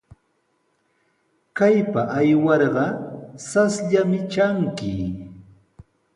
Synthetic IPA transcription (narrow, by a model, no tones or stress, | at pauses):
kajpaʔajwɑɾɢɑsasʎamɪt͡ʃaŋkɪ